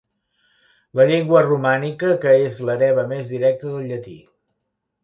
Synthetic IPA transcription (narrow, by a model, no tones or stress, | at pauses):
ləʎeŋɡwərumanikəkəezləɾɛβəmezðiɾɛk̚t̪əðəlˠʎːət̪ḭ